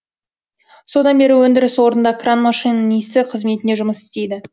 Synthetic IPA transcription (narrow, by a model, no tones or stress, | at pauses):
so̞d̪ɑnbe̞ɾɪwɵnd̪ɪɾɪswo̞ɾənd̪ɑkranmɑʂijnənijst̪ɪqʰəzme̞t̪ɪne̞ʒʊməsɪ̥st̪e̞jd̪ɪ